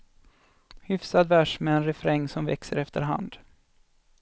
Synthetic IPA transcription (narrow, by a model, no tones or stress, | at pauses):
hʏfsad̪væʂmɛːnɾɛfɾɛŋːsɔmvɛ̰ksəɾɛft̪əɾɦa̰nd̪